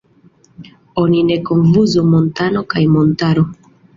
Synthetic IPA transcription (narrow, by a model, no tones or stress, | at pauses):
ɔninɛkɔɱvuzomɔntanɔkajmɔntaɾɔ